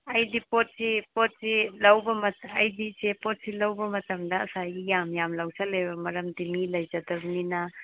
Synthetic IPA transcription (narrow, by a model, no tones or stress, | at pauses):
ɐjdipot̚sipot̚silɐwbɐmɐtɐjdisepot̚silɐwbɐmɐtɐmdɐ̰ːsajijamjamlɐwsalejbɐmɐɾɐmdinilɐjd͡ʒadɐbnina